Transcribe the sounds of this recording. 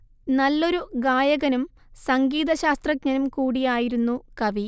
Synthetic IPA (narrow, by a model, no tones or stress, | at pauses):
nɐlːo̞ɾuɡaːjɐɣɐnum | sɐŋɡiːðɐɕaːst̪rɐk̚ɲɐnumkuːɽijaːjiɾunːukɐʋi